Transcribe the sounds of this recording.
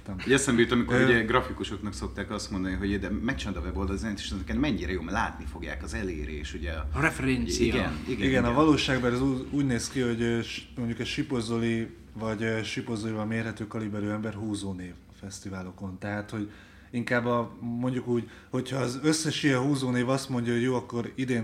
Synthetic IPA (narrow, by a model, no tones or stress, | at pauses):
t̪mɛsɛmbɛjyt̪ɒmikoɾuɛɡɾɒfikuʃo̞knɒkso̞k̚t̪aːkɒst̪mond̪ɒniɦo̞ɟd̪ɛmɛt͡ʃnd̪ɒvɛbold̪ɒlzɛnt̪i̥ʃnɛkɛnmɛɲːiːɾɛjoːmɛlaːt̪nifo̞ɡja̰ːkɒzɛlḛːɾḛːʃuɟɛɾɛfɛɾɛnsiijɡniiɡɛnɒvɒloːʃaːɡbɛɾɛzuuːɟneːskiho̞ɟʃmo̞ɲɟukɛʃipo̞zoli | vɒɟʃipo̞zolivɒmeːrɦɛt̪øːkɒlibɛɾøːɛmbɛrɦuːzoːneːv | fɛst̪ivaːlo̞ko̞nt̪ɛɦaːt̪ho̞ɟ | iŋkaːbːɒmo̞ɲɟukuːɟ | ho̞chɒːzø̞sːɛʃijɛɦuːzoːneːvɒst̪mo̞ɲɟɒɦoɟjoːɒkːo̞ɾid̪eːn